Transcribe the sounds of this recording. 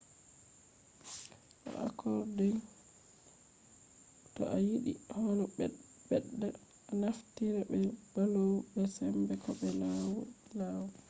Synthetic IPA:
ʔɔ̰ʔa̰kʰɔɾdɔj | tɔ̰ʔajiɗḭhonɔbɛɗːaː | naftiɾɛbɛbalowbɛsɛmbɛkɔɓɛlawlawɔ

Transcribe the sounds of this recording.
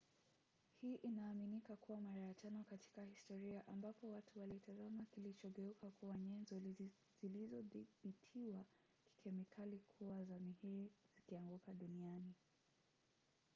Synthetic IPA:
hiːʔinaːminikakuwamaɾajat͡ʃanɔkatʰi̥kahistɔɾiaʔambapɔwatʰuwalitazamakilit͡ʃɔɠɛukakuwaɲɛnzɔ | zilizɔðiɓitʰiwa | ki̥kʰɛmikʰalikʰuwazamihiz̥ikiaŋɡukaɗuniani

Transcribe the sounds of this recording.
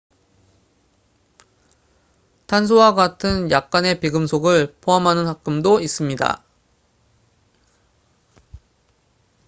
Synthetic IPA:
tʰans̬ʰowaɡatʰɯnjak̚k͈ane̞piɡɯmsʰoɡɯɭpʰoɦamɦanɯnhak̚k͈ɯmdois͈ɯmɲida̰

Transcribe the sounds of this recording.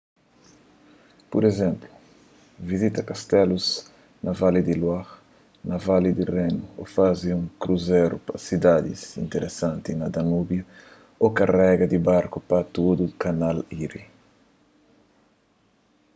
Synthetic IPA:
puɾezɛ̃mplu | vizit̪ɐkast̪ɛluz | nɐvalid̪ilwax | nɐvalid̪irenuofaziũŋkɾuzɛɾupɐsid̪ad̪ḭzḭ̃nt̪eɾʔesãnt̪inɐd̪anubjɐ | okarɛɡɐd̪ibaɾkupɐt̪od̪ukanaliɾḭ

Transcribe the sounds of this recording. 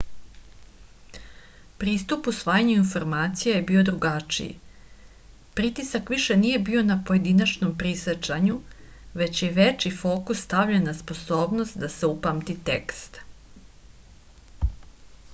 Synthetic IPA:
pɾiːst̪upusʋaːjaɲuinfo̞ɾmaːt̪sijejebiːo̞d̪ɾuɡat͡ʃḭjḭ | pɾit̪isakʋiʃe̞niːje̞bio̞napo̞je̞d̪inat͡ʃnompɾiset͡ʃaɲuʋe̞t͡ɕje̞ʋe̞t͡ʃifo̞ːkusːt̪aʋʎenːaspo̞so̞ːbno̞st̪d̪ase̞upamt̪it̪ḛkst̪

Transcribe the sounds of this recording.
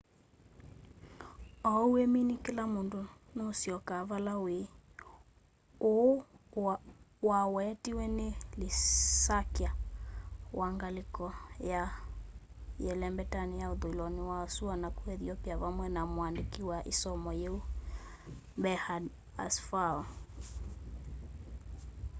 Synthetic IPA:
ɔueminikelamondonosiɔkavalawe | o | wawɛːtiwɛnelisakia | wʔaŋɡalikɔja | jɛlɛmbɛtanijauðoilɔniwasuanakuɛðiɔpiavamwɛnamoandikiwaʔisɔmɔjeu | bɛhad | a̰sfaɔ

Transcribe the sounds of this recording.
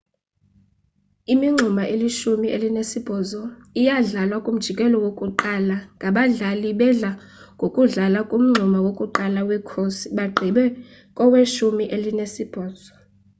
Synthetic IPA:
imiŋ͡ǁʱumaʔeliʃumiʔelinesib̥ʱɔːzɔijaɮalwakʼum̩d̥ʒ̥ʱikʼɛlɔwokʼuǃalaŋɡʱaɓaɮaliɓɛɮa | ŋɡʱokʼuɮalakʼum̩ŋ͡ǀʱumawokʼuǃalawikʰosiɓaɡ͡ǃʱiɓɛ | kʼɔweʃumiʔelinesib̥ʱɔːz̥ɔ

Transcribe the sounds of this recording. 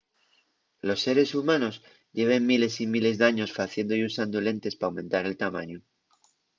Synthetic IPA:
lo̞sːe̞ɾe̞sumãno̞s | ɟ͡ʝe̞β̞e̞mːile̞simile̞zðaɲo̞sfaθje̞nd̪ojusand̪ole̞nt̪e̞spaːwmẽ̞nt̪aɾe̞lt̪amã̰ɲo

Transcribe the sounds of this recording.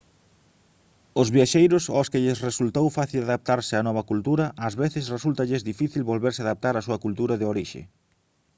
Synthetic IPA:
ʊzβjaʃejɾʊsoskɪʎɪsresult̪owfaθilaðap̚t̪aɾsɪanɔβ̞ɐkult̪uɾɐʔɐzβeθɪsresult̪ɐʎɪzðifiθilβolβeɾsɪaðap̚t̪aɾasuɐkult̪uɾɐðɪoɾiʃḛ

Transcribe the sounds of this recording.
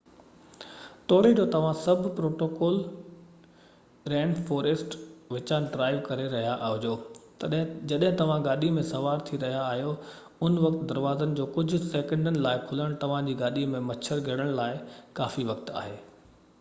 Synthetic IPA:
t̪ɔːɽed͡ʑoːt̪ɐʋ̤ãsɐbʱpɾoːʈoːkɔːl | ɾɛ̃ːɳɖfɔːɾesʈʋɪt͡ɕaːnɖɾaːɪʋkɐɾeɾɐɦijaʔɦʊd͡ʑoː | d͡ʑɐɗɦɪ̃t̪ɐʋ̤ãɡaːɗimẽsɐʋaːɾt̪ʰiɾɐɦijaːɦijo | ʊnʋɐkt̪d̪ɐɾʋaːzənɪ̆d͡ʑoːkʊd͡ʑʱʊ̆seːkə̃ɳɖənɪ̆laːɪkʰʊləɽ̃t̪ɐʋ̤ãd͡ʑiːɡaːɗimẽmɐt͡ɕʰəɾɡʱɐɽ̃əɽ̃laːɪkaːfiʋɐk̚t̪a̰ːɦeː

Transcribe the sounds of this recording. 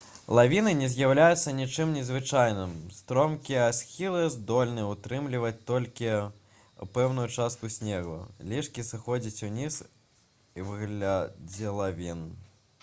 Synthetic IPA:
lˠavʲinɨnʲɛzʲjawlʲajut̪sːɐnʲit͡ʂɨmnʲɛzvɨt͡ʂajnɨmst̪ɾɔmkʲiasʲxʲilˠɨjzd̪ɔlʲnɨjɛut̪ɾɨmlʲivɐt͡sʲt̪ɔlʲkʲi | pɛwnujut͡ʂast̪̚kusʲnʲɛɣṵlʲiʂkʲisɨxɔd͡zʲit͡sʲunʲis | ivɨɣlʲad͡zʲɛlˠavʲin

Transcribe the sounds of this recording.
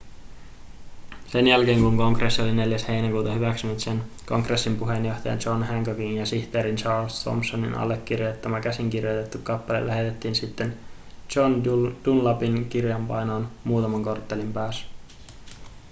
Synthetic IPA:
se̞njælke̞ːŋkuŋko̞ŋkresːio̞line̞ljæshe̞jnækuːt̪ɑhyʋæksynyt̪sen | ko̞ŋkre̞sːimpuɦe̞njo̞ht̪ɑjɑ̰nt͡ʃo̞nhæŋkokiŋjɑsiçt̪e̞ːɾint͡ʃɑːrlst̪ʰo̰mpsːonḭnɑ̰lːe̞kːirjot̪ːæmækæsiŋkirjo̞t̪et̪ːukːɑpːɑlḛlæɦet̪e̞t̪ːiːnsit̪ːe̞n | t͡ʃond̥unlɑpink̟irjɑmpɑjno̞ːnmuːt̪ɑmɑŋko̞rt̪ːelimpæːs

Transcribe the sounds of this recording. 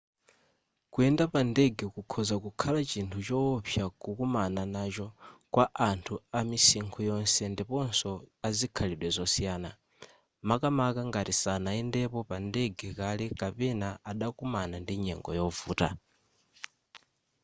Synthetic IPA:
kuɛndapandɛɡɛkukʰɔzakukʰalat͡ʃintʰut͡ʃɔpʰjakukumananat͡ʃɔkwaʔantʰuamisiŋkʰɔjɔnsɛndipɔnsɔazikʰaliɗwɛzɔsijaːna | makamakaŋɡatisanaɛndɛpɔpandɛɡɛkalɛkapɛnaaɗakumanandiɲɛ̰ŋɡɔ̰jɔvuːta̰

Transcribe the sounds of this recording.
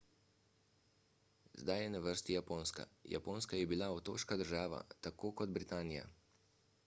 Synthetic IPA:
zd̪ajɛnaʋəɾst̪ijapoːnska̰ja̰poːnskajɛbilaɔt̪o̰ːʃkad̪əɾʒaːʋa̰t̪akoːkɔd̪bɾit̪aːnija̰

